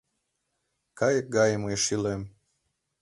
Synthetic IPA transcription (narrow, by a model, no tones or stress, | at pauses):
kɑjək̚ɡɑjməjʃilem